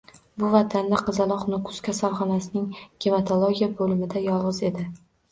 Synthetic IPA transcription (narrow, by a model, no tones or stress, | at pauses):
bʊvat̪ʰand̪aqʰɨzalˠɒqnokʰʊ̥skʲʰasalχɒnasɪnɪŋɡ̥ʲimet̪ʰolˠoɡʲijabolɪmɪd̪ajɒlˠʁɨze̞d̪ɪ